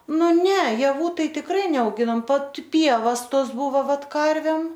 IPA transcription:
ˈnʊ ˈnʲɛ jɛˈʋuː ˈtɐɪ tʲɪkˈrɐɪ nʲɛɐʊˈɡʲɪnoːm ˈʋɐt ˈpʲiɛʋɐs ˈtoːs ˈbʊʋoː ˈʋɐt ˈkɐrʲʋʲɛm

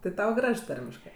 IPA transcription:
tɜ ˈtɐʊ ˈɡrɐʃ ˈtɐrʲmʲɪʃkɜ

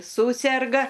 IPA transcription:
ˈsuːsʲɛrɡɐ

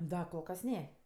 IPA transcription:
ˈdɐ koːlˠ ˈkɐs ˈnʲɛ

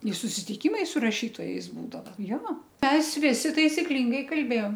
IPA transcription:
ɪ sʊsʲɪtʲɪˈkʲiːmɐɪ sʊ rɐˈʃʲiːtoːjɛɪs ˈbuːdɐʋɐ joː ˈmʲɛs ˈʋʲɪsʲɪ tɐɪsʲɪˈklʲɪŋɡɐɪ kɐlʲˈbʲeːjoːm

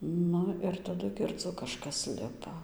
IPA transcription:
ˈnʊ ɪr tɐˈdʊ ɡʲɪrˈd͡zʊ kɐˈʃkɐs ˈlʲɪpɐ

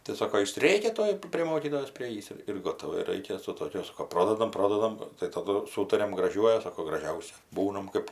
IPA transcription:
tɐɪ ˈsoːkoː ˈjɪs ˈrʲeːkʲɛ ˈtuɔj pʲrʲeː ˈmoːkʲiːtoːjoːs pʲrʲɪˈeːjiːs ɪr ɪr ˈɡoːtɐʋɐ ˈɪr ɪr ˈrɐɪkʲɛ sʊ toːkʲʊ ˈsoːkoː ˈproːdɐdɐm ˈproːdɐdɐm tɐˈdʊ ˈsuːtɐrʲɛm ɡrɐˈʒʲuɔjʊ ˈsɑːkoː ɡrɐˈʒʲɛʊsʲɛ ˈbuːnɐm ˈkɜp

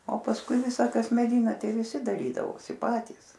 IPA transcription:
oː pɐsˈkʊɪ ˈʋʲɪsɐ ˈkɐs mʲɛˈdʲɪnɐ ˈtʲɛɪ ʋʲɪˈsʲɪ dɐˈrʲiːdɐʋoːsʲɪ ˈpɑːtʲiːs

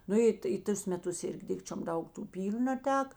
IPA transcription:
ˈnʊ ɪ tɐɪ ˈtʊs mʲɛˈtʊs ˈɪrʲɡʲɪ ˈdʲɪkt͡ʃʲoːm ˈdɐʊk tuː ˈpʲiːlʲʊ nɐˈtʲæːkɐ

